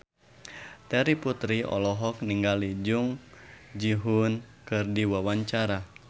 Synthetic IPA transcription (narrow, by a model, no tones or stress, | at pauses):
t̪ɛɾiput̪ɾiɔ̰lɔɦɔkniŋɡalid͡ʒuŋ | d͡ʒiɦunkɨrdiwawaɲt͡ʃaɾa